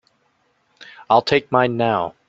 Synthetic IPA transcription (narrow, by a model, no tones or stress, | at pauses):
aɪlˠtʰeɪk̚mãɪ̃nːaʊ